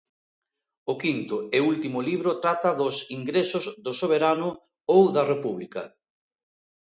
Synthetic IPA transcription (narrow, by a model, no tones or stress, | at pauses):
ʊkint̪ʊɛult̪imʊliβɾʊt̪ɾat̪ɐðʊsiŋɡɾesʊzðʊsoβ̞eɾanʊ | owðɐrepuβlikɐ